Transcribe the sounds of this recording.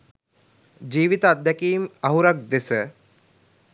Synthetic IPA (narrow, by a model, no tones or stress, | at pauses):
d͡ʒiːʋit̪aːt̪d̪ːɛkiːmɐɦuɾak̚d̪esə